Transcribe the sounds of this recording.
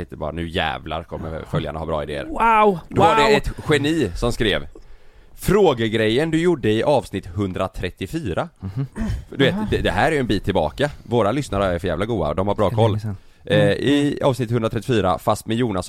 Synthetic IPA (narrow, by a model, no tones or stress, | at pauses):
ɪəbɑ̰ɾanʉ̟ːjɛ̰ːvla̰ɾkʰɔ̰mmə̰fœlja̰ɳahabɾɑ̰ːɪd̪ḛːə̰ɾd̪ɔvaɖɛɛt̪ɧɛniːsɔmskɾeːv | fɾoːɡəɡɾɛjːənd̪ɵjʊɖːəɪʔɑːvsnɪt̪ːhɵnd̪ɾat̪ʰɾɛt̪ːɪfyːɾa | d̪ɵveːt̪d̪ɛd̪ɛɦæːɾæjɵɛnbiːt̪ʰːɪlbɑ̰ːkavoːɾalʏsnaɾəææɾfœɾjæːvlaɡuːa̰d̪ɔmhaɾbɾɑːkʰɔlː | ɪɑ̰ːvsnɪt̪hɵndɾat̪ɾɛt̪ɪfyːɾa̰fast̪mɛjuːnas